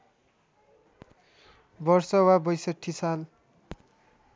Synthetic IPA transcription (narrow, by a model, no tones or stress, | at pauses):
bʌrsʌwabʌjsʌʈʰːisal